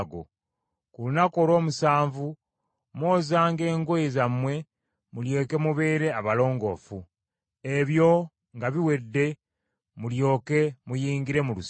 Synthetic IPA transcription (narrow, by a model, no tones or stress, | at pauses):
ɡo̰ | kulunako̞ɾo̞ːmusaːɱvu | mwo̞ːzaːŋɡe̞ːŋɡoezamwe̞ | mulje̞ːke̞muβe̞ːɾe̞aβalo̞ːŋɡo̞fu | e̞βjo̞ | ŋɡaβiwe̞dːe̞ | muljo̞ːke̞mujiːŋɡiɾe̞mulus